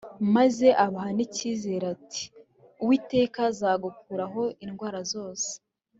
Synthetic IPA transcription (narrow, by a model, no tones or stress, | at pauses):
maze̞ʔaβaɦaniciːze̞ːɾatʰi̥ | uwiːte̞ːkazaːɡukuːɾaɦo̞inɡwaːɾazo̞ːse̥